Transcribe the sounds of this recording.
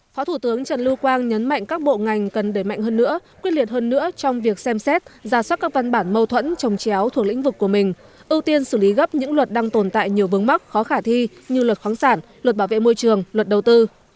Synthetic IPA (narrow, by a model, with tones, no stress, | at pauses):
fɔ˨˦t̪ʰu˧˩t̪ɨ˨˦əŋt͡ɕə˨˩nlɨ˧kwaː˧nɲə˨˦nma̰˧˨jŋ̟kaː˦˥k̚ɓo̰˧˨ŋa˨˩jŋ̟kə˨˩nɗəː˧˩jma̰˧˨jŋɦəː˧nːɨ̰˧˥əkwi˦˥ətli˨˩ət̚həː˧nːɨ̰˧˥ət͡ɕɔ˧wŋ͡mvi˨˩ək̚sɛ˧msɛ˦˥t̚zaː˧˩swaː˦˥t̚kaː˦˥k̚va˧nɓaː˧˩nmə˧wt̪ʰwə̰˧˥nt͡ɕɔ˨˩wŋ͡mt͡ɕa˨˦wt̪ʰu˨˩ək̚l̰ï˧˥ŋ̟vɨ˨˩kːu˧˩əmï˨˩ŋ̟ | ʔɨ˧wt̪i˧ənsɨ˧˩li˨˦ɣə˦˥p̚ɲɨ̰˧˥ŋlwə˨˩t̚ɗaː˧ŋt̪o˨˩nt̪a̰ː˧˨jɲi˨˩əwvɨ˨˦əŋma˦˥k̚xɔ˨˦xaː˧˩t̪ʰi˧ɲɨ˧lwə˨˩t̚xwaː˨˦nsaː˧˩nlə˩t̚ɓaː˧˩wvḛ˧˨mo˧jt͡ɕɨ˨˩əŋlwə˨˩t̚ɗə˨˩wt̪ɨ˧